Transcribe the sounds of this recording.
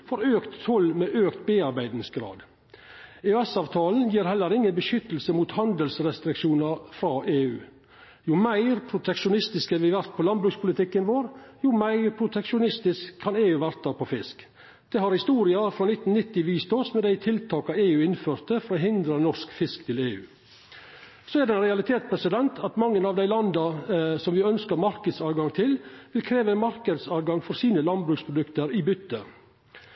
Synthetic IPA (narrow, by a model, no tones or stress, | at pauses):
fɔɾøːkt̪ʰːɔlmeːʔøːkt̪beːɑɾbæɪd̪nɪsɡɾɑ̰ːd̪ | eɛsɑːʋt̪ʰɑːln̩jiːɾɦɛlːəɾɪŋːənbəʃʏt̪l̩səmuːt̪hɑnd̪əlsɾɛst̪ɾɪkʂuːnɑɾfɾɑːʔeːʉː | jʊmæɪɾpʰɾʊt̪ʰɛkʃʊnɪst̪ɪskəʋɪʋæɾt̪̚pʰɔlɑnbɾʉkspʰʊlɪt̪ʰɪkːənʋoːɾjʊmæɪɾpʰɾʊt̪ʰɛkʂʊnɪst̪ɪskʰːɑneːʉːʋæɾt̪̚d̪ɑːpʰɔfɪsk | d̪̥ɛːhɑɾhɪst̪uːɾɪɑfɾɑːnɪt̪ːn̩nɪt̪ːɪʋiːst̪ʰosmɛd̪æɪt̪ʰɪlt̪ʰɑːkɑeːʉːɪnføːɾt̪əfɔɾɔːɦɪnd̪ɾənɔʂkfɪskt̪ʰɪleːʉ̰ː | soːæɖɛnɾɛɑlɪt̪ʰeːt̪spʰɾɛsɪd̪ɛnt̪ʰɑt̪mɑŋːənɑʋd̪æɪlɑnd̪ɑsɔmʋɪœnskəɾmɑɾkəd̪sɑːʋɡɑŋt̪ʰɪlʋɪlkʰɾeːʋəɛnmɑɾkəd̪sɑːʋɡɑŋfɔɾsiːnəlɑn̚bɾʉːkspʰɾʊd̪ʉkt̪əɾɪbʏt̪ːə